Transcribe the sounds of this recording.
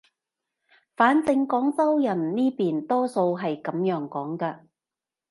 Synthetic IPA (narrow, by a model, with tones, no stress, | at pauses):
faː˨˥nt͡sɪ˧ŋkɔː˨˥ŋt͡sɐ˥wjɐ˨˩nniː˥piː˨nt̪ɔː˥so˧wɦɐ˨jkɐ˨˧mjœː˨˧ŋkɔː˨˥ŋkɐː˧